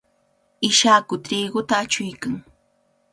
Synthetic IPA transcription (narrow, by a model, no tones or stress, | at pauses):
ɪʃaːkʊt̪ɾiːɢʊt̪aːt͡ʃʊjkaŋ